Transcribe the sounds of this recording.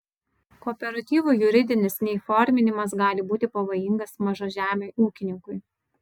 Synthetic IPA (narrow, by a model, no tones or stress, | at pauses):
kɔːpʲɛɾɐt̪ʲiːʋuːjʊɾʲɪd̪ʲɪnʲɪsnʲɛɪfɔɾʲmʲɪnʲɪmɐsɡɑːlʲɪbuːt̪ʲɪpɐʋoːjɪŋɡɐsmɐʒoʒʲæːmʲeʔuːkʲɪnʲɪŋkʊɪ